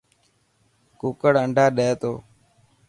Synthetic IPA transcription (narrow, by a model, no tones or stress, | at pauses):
kuːkəɽəɳɖʱaːɗeːt̪oː